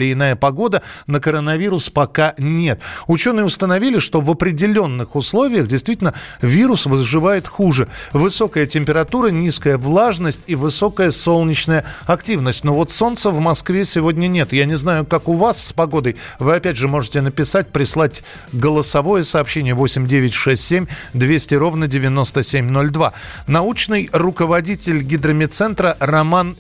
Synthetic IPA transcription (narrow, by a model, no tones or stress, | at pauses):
lʲɪɪnajəpɐɡo̞d̪ənəkəɾənɐvʲiɾʊspɐkanʲe̞t̪ʊt͡ɕo̞nɨjəʊst̪ənɐvʲilʲɪʂt̪o̞vəpɾʲɪdʲɪlʲo̞nːɨxʊslˠo̞vʲɪjəxdʲɪjst̪vʲitʲɪlʲnəvʲiɾʊsvəzʐɨvajɪt̪xuʐɨvɨso̞kəjətʲɪmʲpʲɪɾɐt̪uɾənʲiskəjəvlˠaʐnəsʲtʲivɨso̞kəjəso̞lˠnʲɪt͡ɕnəjəɐktʲivnəsʲtʲnovo̞t̪so̞nt̪səvmɐskvʲesʲɪvo̞dʲnʲənʲe̞t̪janʲɪznajʊkakʊvasːpɐɡo̞d̪əjvɨɐpʲædʲʐɨmo̞ʐɨtʲɪnəpʲɪsat̚ʲpɾʲɪslˠatʲ | ɡəlˠəsɐvo̞jəsɐːpɕːenʲɪjəvo̞sʲɪmʲdʲevʲɪtʲʂɛsʲtʲsʲemʲd̪vʲesʲtʲɪɾo̞vnədʲɪvʲɪno̞st̪əsʲemʲno̞lʲd̪va̰ | nɐut͡ɕnɨjrʊkəvɐdʲitʲɪlʲɡʲɪd̪ɾəmʲɪt̪sɛnt̪ɾərɐman